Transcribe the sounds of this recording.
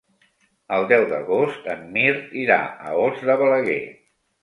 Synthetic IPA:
əlˠd̪ɛwd̪əɣost̪əmːiɾt̪iɾa̰ə̰ozd̪əβələɣḛ

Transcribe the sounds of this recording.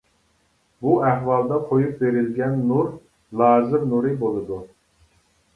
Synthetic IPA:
buæhwɑlˠd̪ɑqʰojup̚beɾɪlɡʲɛnːuɾ | lˠɑːzɨɾnuɾɨbolˠɨd̪u

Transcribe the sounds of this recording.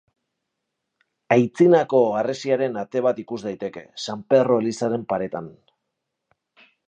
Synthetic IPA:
ajt͡sinako̞aresiaɾe̞nat̪e̞β̞at̪ikuzd̪ajt̪e̞ke̞̰sampe̞ro̞elisaɾe̞mpaɾe̞t̪an

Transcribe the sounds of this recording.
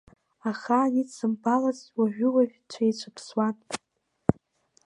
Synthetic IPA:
aχaːnit͡sɨmbalazwaʒᶣʊlavt͡ʃʷʰait͡ʃʷʰɨpʰswan

